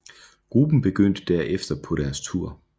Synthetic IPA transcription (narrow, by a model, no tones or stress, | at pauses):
ɡ̥ʁub̥n̩b̥e̝ɡ̥øn̰d̥əd̥æɐ̰ʔefd̥ɐpʰɒ̽ɾ̥æɐst͡sʰuɐ̰